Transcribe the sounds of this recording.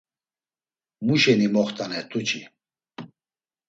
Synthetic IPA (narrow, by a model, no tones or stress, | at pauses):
muʃɛnimɔχt̪ʼanɛt̪ʼut͡ʃʰi